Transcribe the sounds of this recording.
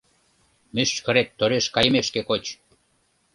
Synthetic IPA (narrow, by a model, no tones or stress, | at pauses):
myʃkə̆ɾet̪ːoɾeʃkɑjə̆meʃkekot͡ɕ